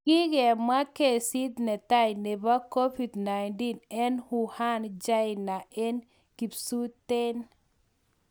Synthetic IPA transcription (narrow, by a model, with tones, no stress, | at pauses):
ki˦ɡɛ˨ma˦ke˨si˦d̪nɛ˨t̪a˦jne˨ba˦ko˦fi˨dna˨jnti˦nɛ˦nhu˨ha˦nd͡ʒa˦ɪ˨na˨ʔe˦n | ki˨psu˦te˦n